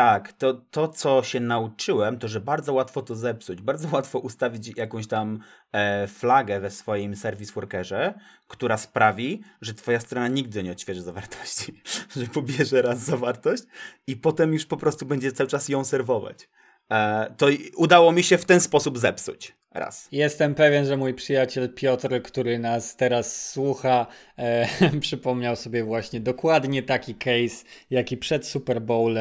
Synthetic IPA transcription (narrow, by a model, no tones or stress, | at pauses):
t̪akt̪ɔt̪ɔt̪sɔɕɛnaut͡ʂɘwɛmt̪ɔʐɛbaɾd̪zɔwat̪fɔt̪ɔzɛpsud͡ʑbaɾd̪zɔwat̪fɔʔust̪avʲit͡ɕjakɔ̃w̃ɕt̪am | flaɡɛvɛsfɔjimsɛɾvʲiswɔɾkɛʐɛkt̪uɾaspɾavʲiʐɛt̪fɔjast̪ɾɔnaɲiɡd̪ɘɲɛɔɕʲfʲɛʐɛzavaɾt̪ʰɔ̥ɕt͡ɕiʐɛpɔbʲjɛʐɛɾazːavaɾt̪ɔɕt͡ɕipɔt̪ɛmjuʂpɔpɾɔst̪ubɛɲd͡ʑɛt̪sawɘt͡ʂasjɔ̃w̃sɛɾvɔva̰t͡ɕ | t̪ɔud̪awɔmʲiɕɛft̪ɛnspɔsubzɛpsṵt͡ɕ | ɾa̰sjɛst̪ɛmpɛvʲjɛnʐɛmujpʂɘjat͡ɕɛlpʲjɔt̪ɾkt̪uɾɘnast̪ɛɾasːwuxa | pʂɘpɔmɲawsɔbʲjɛvwaɕɲɛd̪ɔkwad̪ɲɛt̪akʲikɛjsjakʲipʂɛt̪supɛɾbɔwlɛ